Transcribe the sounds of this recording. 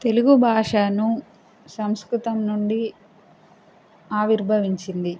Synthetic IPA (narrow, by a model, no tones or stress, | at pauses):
t̪e̞luɡubʱaːʂaːnu | sɐmskɾut̪ɐmnuɳɖi | aːʋiɾbʱɐʋiɲt͡ʃind̪i